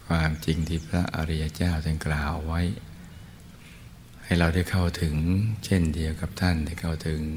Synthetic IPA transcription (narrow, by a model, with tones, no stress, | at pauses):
kʰwaː˧mt͡ɕi˧ŋt̪ʰiː˥˩pʰɾa˦˥ʔa̰˧ɾi˦˧ja˧t͡ɕaː˥˩wt̪ʰa˧˩klaː˨˩wːa˦˥j | ha˥˩jɾa˧wdaː˥˩jkʰa˥˩wt̪ʰɯ˩˦ŋt͡ɕʰe˥˩ndi˧əwka˨˩p̚t̪ʰa˥˩nda˥˩jkʰa˥˩wt̪ʰɯ˩˦ŋ